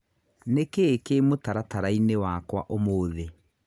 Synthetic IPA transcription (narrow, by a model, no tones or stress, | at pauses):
nekekemotaɾataɾainewakwa̰ʔomoːðe